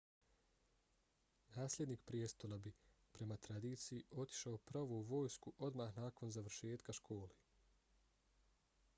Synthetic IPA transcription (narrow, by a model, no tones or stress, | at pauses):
naːslʲe̞d̪niːkpɾjest̪o̞labipɾe̞mat̪ɾad̪iːt̪sijiʔo̞t̪i̥ʃaopɾaʋouʋo̞ːjskuʔo̞d̪maxnaːko̞nzaʋɾ̩ʃe̞ːt̪kaʃkʰo̞ːle